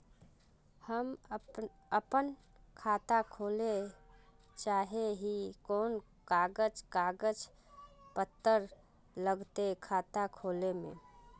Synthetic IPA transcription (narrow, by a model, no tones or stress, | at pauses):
həm | əpən | kʰaːt̪akʰoːle | t͡ʃaːɦeɦikoːn | kaɡəd͡ʒkaɡəd͡ʒ | pət̪ːəɾ | ləɡt̪ekʰat̪akʰoːlemḛ̃